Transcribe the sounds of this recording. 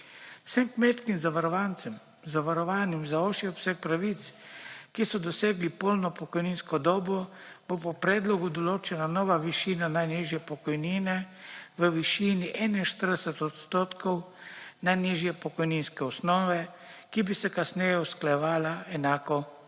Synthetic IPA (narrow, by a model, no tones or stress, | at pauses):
w̥sɛmkmet̪kimzaʋaɾɔʋant̪sɛm | zaʋaɾɔʋaːnimzaoʃiɔbsɛk̚pɾaʋit̪skisɔd̪ɔseːɡlipolnɔpɔkɔjninskɔd̪ɔːbɔb̥opɔpɾɛːd̪lɔɡud̪ɔloːt͡ʃɛnanɔːʋaʋiʃiːnanajniʒjɛpɔkɔjniːnɛʋəʋiʃiːniʔɛnainʃt̪əɾd̪ɛsɛt̪ɔt̪st̪oːt̪kʰɔw | najniʒjɛpɔkɔjninskɛɔsnɔːʋɛ | kibisɛkasnɛːjɛusklajɛʋaːlaɛnaːkɔ